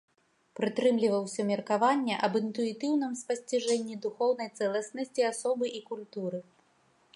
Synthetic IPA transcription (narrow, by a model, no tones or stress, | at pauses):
pɾɨt̪ɾɨmlʲivɐwsʲɐmʲɛrkavanʲːɛʔɐbɨnt̪uit̪ɨwnɨmspɐsʲt͡sʲiʐɛnʲːid̪uxɔwnɐjt̪sɛlˠɐsnɐsʲt͡sʲiasɔbɨʔikulʲt̪uɾɨ